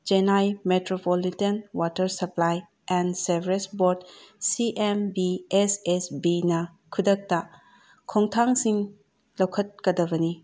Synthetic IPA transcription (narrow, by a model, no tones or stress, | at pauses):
d͡ʒenajmetɾopolitenwatɐɾsɐplaj | ɛnsebɾesboɾdsiʔembiesesbinɐ | kʰudɐk̚tɐ | kʰoŋtʰaŋsiŋ | lowkʰɐt̚kɐdɐbɐni